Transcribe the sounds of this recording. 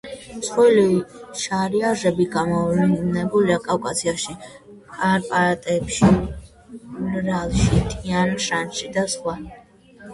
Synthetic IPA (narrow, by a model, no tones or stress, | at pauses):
sχɔliʃaɾiaʒɛbiɡamɔlnɛbuliakʼafkʼasʰiaʃikʼaɾpʼaɾat̪ʼɛpʃi | lɾalˠʃit̪ʼianʃanʃid̪asχwa